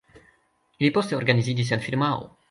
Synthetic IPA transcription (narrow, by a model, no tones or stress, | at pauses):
ilipost̪eoɾɡanizid͡ʒis̬enfiɾmao̰